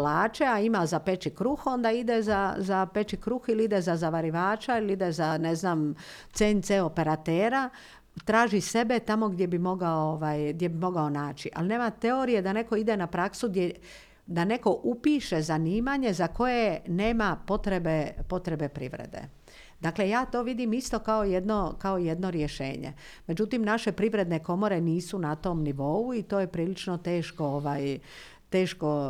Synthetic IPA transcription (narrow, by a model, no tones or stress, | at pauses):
laːt͡ʃeaimazape̞t͡ʃikɾuxo̞nd̪aid̪ezazape̞t͡ʃikɾuxiliid̪ezazaʋaɾiʋaːt͡ʃailiid̪ezaneznaːm | t̪seːnt̪seːo̞pe̞ɾat̪eːɾa | t̪ɾaːʒise̞be̞t̪amo̞ɡd̪je̞bimo̞ɡaooʋaːjɡd̪jebimo̞ɡao̞naːt͡ʃiʔa̰line̞ːmat̪e̞oɾije̞d̪ane̞ko̞id̪enapɾaksud̪je | d̪ane̞ko̞ʔupiːʃe̞zaniːmaɲe̞zako̞je̞ne̞ːmapo̞t̪ɾe̞bepo̞t̪ɾe̞be̞pɾḭʋɾḛd̪ḛ | d̪akle̞jaːt̪o̞ːʋid̪imist̪o̞kaojed̪nokao̞jed̪no̞ɾjeʃe̞̰ːɲḛ | me̞d͡ʒut̪imnaʃe̞pɾiʋɾe̞d̪ne̞ko̞mo̞ɾe̞niːsunat̪o̞mniʋo̞uit̪o̞ːje̞pɾiːlit͡ʃnot̪e̞ːʃko̞oʋaːj | t̪e̞ːʃko̞